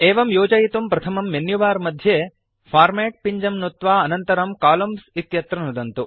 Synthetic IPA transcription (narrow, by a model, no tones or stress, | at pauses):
eːʋɐmjoːd͡ʒɐjit̪umpɾɐt̪ʰɐmɐmːenjuʋaːɾmɐd̪ʱjeː | fʰaːɾmeːʈ̚piɲd͡ʒɐmnot̪ʋaːɐnɐnt̪ɐɾɐmkaːlɐmsit̪jɐt̪ɾɐnud̪ɐnt̪u